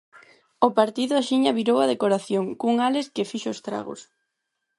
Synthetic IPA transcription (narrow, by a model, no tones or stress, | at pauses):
ʊpaɾt̪iðʊaʃiɲɐβiɾowɐðekoɾaθjoŋkuŋaleskɪfiʃʊʊst̪ɾa̰ɣo̰s